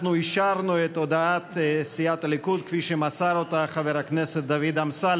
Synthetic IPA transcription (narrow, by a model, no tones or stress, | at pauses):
nuiʃaɾnuet̪od̪aat̪siat̪alikud̪̚kfiʃemasaɾot̪aχaveɾakneset̪̚d̪avid̪amsa